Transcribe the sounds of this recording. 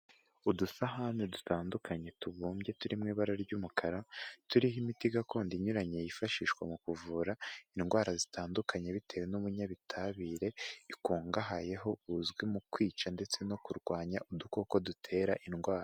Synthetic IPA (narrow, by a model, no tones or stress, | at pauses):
udusaɦanedutaːndukʰaɲe̞tuβuːmɟje̞tuɾimŋiːβaɾaɾɟuːmukʰaɾatuɾiɦimitiɡakoːndiɲuɾaɲejifaʃiːʃkwamukuvuːɾainɡwaːɾazitʰaːndukʰaɲe̞βitʰe̞ːwe̞nuβuɲaβitʰaβiːɾe̞ikuːŋɡaɦaje̞ɦo̞uzɡwimukwiːt͡ʃande̞t͡se̞no̞kuɾɡwaːɲaʔudukoko̞dutʰe̞ɾaʔinɡwaːɾa